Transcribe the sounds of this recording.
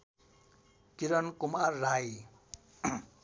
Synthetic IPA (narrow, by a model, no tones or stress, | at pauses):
kiɾʌnkumarːaj